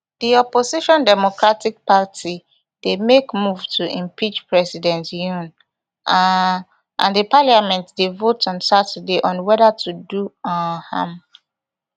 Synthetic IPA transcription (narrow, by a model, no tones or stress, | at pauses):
d̥iɔposiʃɔ̃ndɛmokɹatik̚patʰi | d̥emekmuvtʰuʔĩmpʰit͡ʃpʰɹɛsidɛ̃ntjũn | ʔã̰ndipʰalijamɛ̃ntdevotɔ̃nsatədeʔɔ̃nwɛdatʰuduɔhã̰m